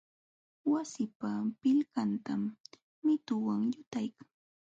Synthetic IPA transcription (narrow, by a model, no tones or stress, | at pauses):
wasɪpapɪlkant̪amː | ɪt̪ʊwaŋjʊt̪ajkaŋ